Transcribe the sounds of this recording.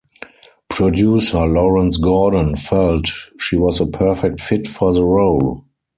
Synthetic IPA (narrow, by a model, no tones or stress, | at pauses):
pʰɹɔdjuːsə˞lɔɹə̃nsɡɔːd̃nfɛltʃiːwɔzəpʰɜ˞fɛk̚tfɪtfɔðəɹoʊl